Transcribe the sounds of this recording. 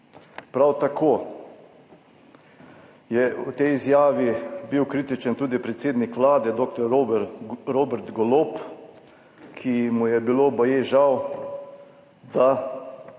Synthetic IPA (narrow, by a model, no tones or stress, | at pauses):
pɾawt̪akʰoː | jɛut̪ɛjizjaːʋibiwkɾit̪it͡ʃənt̪uːd̪ipɾɛt̪seːd̪nikʋlaːd̪ɛd̪oːkt̪ɔɾ | ɾoːbɛɾt̪ɡɔloːp | kʰimujɛbiloːbɔjeʒaw | d̪a